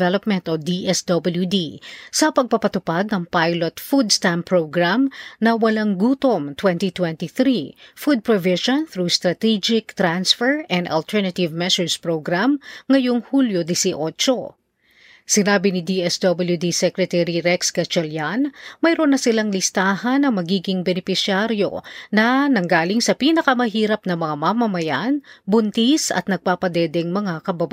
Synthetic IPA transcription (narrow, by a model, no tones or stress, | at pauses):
vɛlop̚mɛnt̪od̪iʔɛsd̪obɐljud̪isɐpɐɡ̚pɐpɐt̪ʊpad̪̚nɐŋpajlot̪fud̪st̪ampɹoɡɹamnɐwɐlaŋɡuːt̪omt̪wɛnt̪it̪wɛ̃nt̪iθɾifud̪̚pɹovɪʃonθɾuːst̪ɾɐt̪id͡ʒɪkt̪ɾansfɛɹʔɛ̃nd̪ɐ̰lt̪ʰɛɹnɐt̪ɪvmɛsʊɹspɹowɡɾamŋɐjoŋhuːljod̪ɪsiʔoːt͡ʃo | sɪnaːbɪnɪd̪iʔɛsd̪obɐljud̪isɛkɾɛt̪ɛɾiɾɛksɡɐt͡ʃɛljanmɐjɾonɐsɪlaŋlɪst̪aːhɐnɐŋmɐɡiːɡɪŋbɛnɪpɪsɪaɾjo̞̰nɐnɐŋɡaːlɪŋsɐpiːnɐkɐmɐɦiːɾɐp̚nɐŋmɐŋamamɐmɐjanbʊnt̪isɐ̰t̪̚nɐɡ̚paːpɐd̪ɛːd̪ɛŋmɐŋakɐbaba